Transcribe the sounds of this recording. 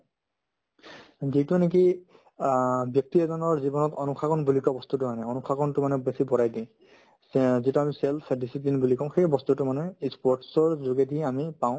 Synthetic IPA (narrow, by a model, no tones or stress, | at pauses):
zitunek̬i | bjɔk̚tiɛzɔnɔɹzibɔnɔtɔnukʰakɔnbulikɔbɔst̪utʊmanɛɔnukʰakɔntʊmanɛbesibɔɹajdĩ | zituamiselpʰdisiplinbulikɔ̃xejbɔstutʊmanɛispɔɹtsɔɹzoɡedʱiamipaʊ̃